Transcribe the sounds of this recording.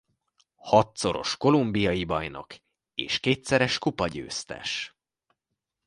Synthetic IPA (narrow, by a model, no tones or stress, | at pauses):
hɒt̪so̞ɾo̞̰ʃko̞lumbijɒjibɒjno̞̰k | eːʃkeːt̪sɛɾɛʃkupɒɟø̰ːst̪ɛ̰ʃ